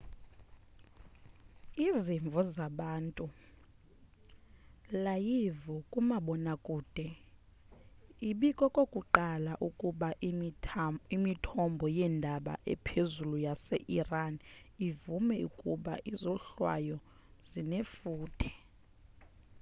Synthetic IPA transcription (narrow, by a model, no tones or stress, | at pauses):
iziɱb̪vʱɔzaɓaːntʼu | lajivɔkʼumaɓɔnakʼuːd̥ʱɛ | iɓikʼɔkʼokʼuǃalaʔukʼuɓa | imitʰɔmbʱɔjɛndʱaɓa̰ʔɛ̰pʰezulujasɛʔiran | ivumɛukʼuɓa̰ʔizɔɬwa̰jɔ | z̥inefuːtʰɛ̥